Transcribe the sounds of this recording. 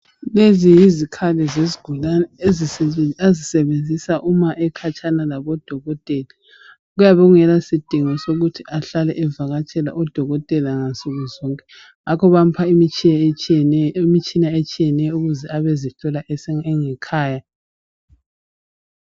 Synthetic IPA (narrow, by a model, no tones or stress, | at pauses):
lezijizikʰalɛzeziɡ̥ʱulanɛeziazisɛβend͡zʱisaʔumaʔɛkʰat͡ʃʰʼanalaβɔd̥ʱɔɣɔtʼɛla | ɣujaβɛɔɣuŋɛlasid̥ʱiŋɔsoɣutʰiʔaɬalɛʔɛvaɣat͡ʃʰʼɛla̰ʔɔd̥ʱɔɣɔtʼɛlaŋansʼuɣuzɔŋkʼɛ̥ | akʰɔβam̩pʰaimit͡ʃ | imit͡ʃʼinaet͡ʃʼijɛnɛjɔuɣuzɛaβɛziɬɔlaʔɛsɛŋɛkʰaːja